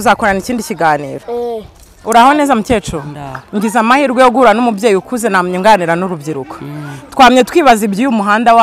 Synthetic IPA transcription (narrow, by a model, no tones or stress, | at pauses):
uzakoɾaniciːndiciɡaːniːɾo | uɾaho̞ne̞ːzamuce̞ːt͡ʃoŋɡizamahiɾɡwejoɡuɾanomubjeːjukuze̞namɲuŋɡaniɾanuɾubɟiɾuko̥twaːmɲetkwiːβazibɟijumuɦaːndawa